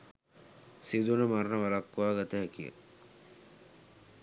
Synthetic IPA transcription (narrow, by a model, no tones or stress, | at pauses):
sid̪unəmaɾnəʋɐlakːʋaːɡɐt̪əɦɛkijə̰